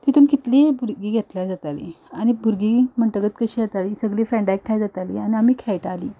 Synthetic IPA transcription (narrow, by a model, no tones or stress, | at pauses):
t̪it̪uːnkit̪libuɾɡiːɡʱet̪ljaɾd͡zat̪alḭ | añibʱuɾɡiːm̤əɳʈəɡət̪kəɕiːjat̪aliːsəɡliːfɾɛ̃ɳɖak̚ʈʰajd͡zat̪alḭañiam̤iːkʰɛjʈaliː